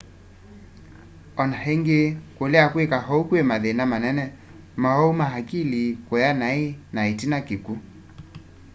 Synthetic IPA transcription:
ɔnaɦɛŋɡekolɛakwekaɦɔukwemaðenamanɛnɛ | mahɔumaɦakilikɔjanainaitinakiku

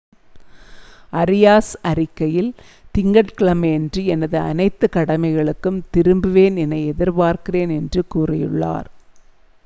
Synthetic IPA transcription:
ʔɐɾɪjaːsɐɾɪkːɐjɪl | t̪ɪŋɡɐʈkɪɭɐmɐɛndrɯɛnɐðɯɐ̰nɐɪt̪ːɯkɐɽɐmɐɪɣɐɭɯkːɯmt̪ɪɾɯmbɯʋeːnɛnɐɪɛðɪɾpaːɾkɪreːnɛndrɯkuːrɪjɯɭːa̰ːɾ

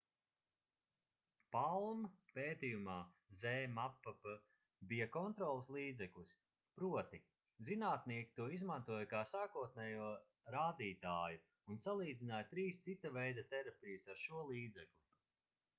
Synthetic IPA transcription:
palˠmpeːt̪ijumaːzɛːmapːapə | bijakɔnt̪ɾɔːlˠslˠiːd̪zɛklˠis | pɾuɔt̪i | zinaːt̪niɛkʲi̥t̪uɔizmant̪uɔjkaːsaːkuɔt̪̚nɛjuɔ | ɾaːd̪iːt̪aːju | unsalˠiːd̪zʲinaːjt̪ɾiːst̪sit̪ːavɛjd̪ɐt̪ɛɾapʲijɨsaɾʃuɔlˠiːd̪zɛklʲu

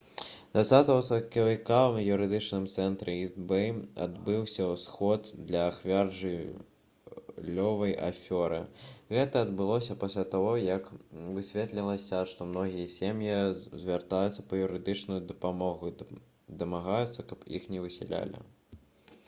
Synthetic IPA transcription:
d̪vat̪sːat̪ɐɣɐsɐkɐvʲikanjuɾɨd̪ɨt͡ʂnɨmt̪sɛnt̪ɾɨizbɛja̰d̪bɨwsʲɐwsxɔd̪d̪lʲɐːxvʲarʐɨ | lʲːɔvɐjʔa̰fʲɔɾɨ̰ɣɛt̪ɐːd̪bɨlˠɔsʲɐpasʲlʲat̪aɣɔjɐkvɨsʲvʲɛt̪lʲilˠɐsʲɐʂt̪ɔmnɔɣʲijɐsʲemjizʲvʲart̪ajut̪sːɐpɐjuɾɨd̪ɨt͡ʂnujud̪ɐpamɔɣu | d̪ɐmaɣajut̪sːɐkɐpjḭxnʲɛvɨsʲɛ̰lʲa̰lʲḭ

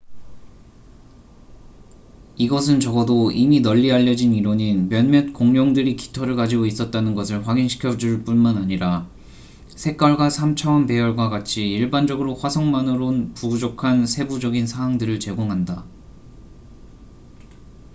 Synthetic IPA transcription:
iɡʌs̬ʰɯnt͡ɕʌɡʌdoiminʌʎːiaʎːʌd͡ʑiniɾoɲinmjʌnmjʌt̚k͈oŋɲʌŋdɯɾiki̥tʰʌɾɯɭkad͡ʑiɡois͈ʌt̚t͈anɯnɡʌsʰɯɭɸwaɡinɕʰi̥kʰjʌd͡ʑuɭp͈unmanaɲiɾa | sʰe̞k͈ʌɭɡwasʰamt͡ɕʰʌʌnpe̞jʌɭɡwakat͡ɕʰiːɭband͡ʑʌɡɯɾoɸwasʰʌŋmanɯɾonpud͡ʑokʰansʰe̞bud͡ʑʌɡinsʰaŋwaŋdɯɾɯɭt͡ɕe̞ɡoŋɦanda

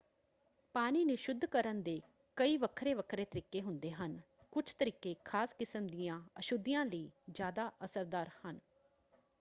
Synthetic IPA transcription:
paːniːnɪʃʊd̪ʱːkəɾənd̪eː | kəiːʋəkʰɾeːʋəkʰɾeːt̪əɾiːkeːɦʊnd̪eːɦən | kʊt͡ʃʰt̪əɾiːkeːkʰaːskɪsəmd̪ijãːəʃʊd̪ɪjãːləiːd͡ʒjaːd̪aːʔəsəɾd̪aːɾhən

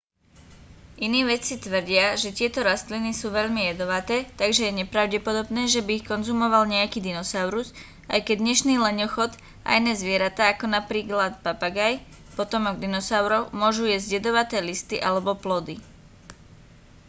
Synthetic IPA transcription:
ʔiniːʋɛt͡sit̪ʋr̩ɟɪaʒɛt̪ɪɛt̪ɔɾast̪linisuːʋɛʎmijɛd̪ɔʋat̪ɛːt̪aɡʒɛjɛɲɛpɾaʊɟɛpɔd̪ɔbnɛːʒɛbiːxkɔnzumɔʋalɲɛakiːd̪inɔsaʊɾuz | a̰jkɛɟ̚d̪ɲɛʃniːlɛɲɔxɔt̪ | a̰jnɛːzʋɪɛɾat̪aːkɔnapɾiːklat̪papaɡaj | pɔt̪ɔmɔɡ̚d̪inɔsaʊɾɔʊmʊɔʒujɛzɟɛd̪ɔʋat̪ɛːlist̪iʔalɛbɔplɔd̪i

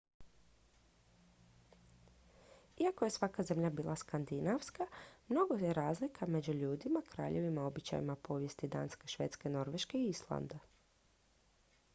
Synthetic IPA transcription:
iakoje̞sʋakaze̞mʎabiːlʔaskand̪inaʋskamno̞ɡo̞jeɾaːzlikʰame̞d͡ʑuʎuːd̪imakɾa̰ːʎeʋimao̞bit͡ʃa̰jḭmapo̞ʋje̞st̪id̪a̰ːnske̞ʃʋe̞̰ːt̪ske̞no̞ɾʋe̞ʃke̞iislˠa̰nd̪a

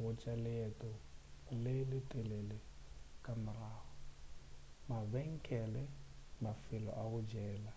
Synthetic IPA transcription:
wʊt͡ʃʼalɪɛtʼɔlɪlɪtʼɪlelɪkʼamʊraːhɔ | mabɛŋ̩kʼɛlɛmafɪlɔ̰ʔaʊd͡ʒɛːla

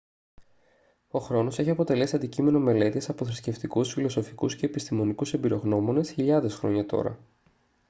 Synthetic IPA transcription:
o̞xɾo̞no̞se̞çiɐpo̞t̪e̞le̞siɐnd̪icime̞no̞me̞le̞t̪iesɐpo̞θɾisce̞ft̪ikusfilo̞so̞fikusce̞ːpist̪imo̞nikuse̞mbiɾo̞ɣno̞mo̞ne̞sçiʎɐðe̞sxɾo̞̰ɲɐt̪o̞̰ɾɐ̰

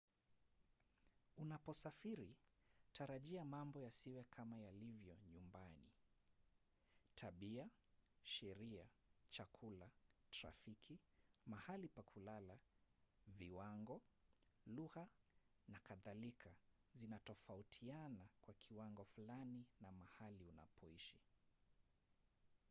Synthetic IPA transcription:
unapɔsafiɾitʰaɾaʄiamambɔjasiwɛkʰamajalivjɔɲumbanḭ | tʰaɓiaʃɛɾiat͡ʃakʰulatɾa̰fikʰimahalipakʰulala | viwaŋɡɔ | luɣa | nakaðalikʰazinatɔfautʰianakwakʰiwaŋɡɔfulaninamahaliuna̰pɔiʃi

